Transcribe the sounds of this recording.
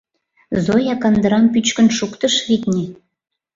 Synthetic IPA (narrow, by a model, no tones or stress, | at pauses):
zojɑkɑnd̪əɾɑmpyt͡ɕkə̆nʃukt̪əʃɣit̪nʲe